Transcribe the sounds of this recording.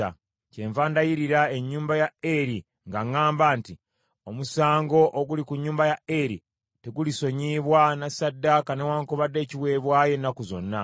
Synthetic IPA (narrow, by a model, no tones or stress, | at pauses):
a̰ | ce̞ɱvaːndajiɾiɾae̞ɲːuːmbajaeɾi | ŋɡaŋaːmbaːnti | o̞musaːŋɡo̞ʔoɡulikuɲːuːmbajae̞ɾḭ | teɡuliso̞ɲiːβwanasadːakanewaːŋkoβadːe̞ːciβwe̞βwaːje̞nːakuzo̞̰nːa